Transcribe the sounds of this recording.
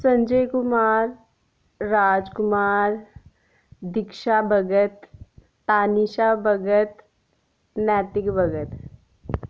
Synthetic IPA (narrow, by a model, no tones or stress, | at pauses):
sə̃ɲd͡ʒəjkʊmaːɾː | aːd͡ʒkʊmaːɾ | d̪ɪkʃaːbʱɐɡət̪ː | aːniʃaːbəɡət̪ | nɛːt̪ɪkbʱɐɡət̪